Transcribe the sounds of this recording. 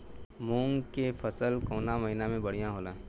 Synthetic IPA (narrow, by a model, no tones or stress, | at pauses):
muːŋɡkepʰəsəlkoːnamɐɦinamẽbɐɽ̤ijãɦoːlãː